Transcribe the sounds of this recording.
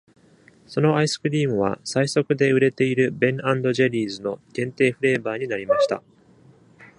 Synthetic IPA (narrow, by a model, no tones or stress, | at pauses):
so̞no̞aisɨ̥kɯ̟ɾʲiːmɯ̟β̞a̰saiso̞kɯ̟d̪e̞ɯ̟ɾe̞t̪e̞iɾɯ̟bẽ̞ɴãnd̪o̞ʑeɾʲiːzɨno̞ɡ̥ẽ̞nt̪e̞ːɸɯ̟ɾe̞ːbaːɲ̟inaɾʲimaɕi̥t̪a̰